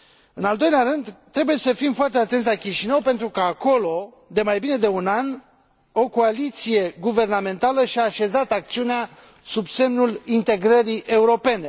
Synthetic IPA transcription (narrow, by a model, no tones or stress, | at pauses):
ɨnald̪o̞jleaɾɨnd̪t̪ːɾe̞buje̞səfimfoart̪e̞at̪e̞nt̪s̬ʲlakʲiʃinəwpe̞nt̪ɾukəako̞lo̞ | d̪e̞majbine̞d̪e̞unan | o̞ko̞alit̪sije̞ɡuve̞rname̞nt̪aləʃiaːʃe̞zat̪ak̚t̪siunea | subse̞mnulint̪e̞ɡɾəɾiʔe̞uɾo̞pe̞ne̞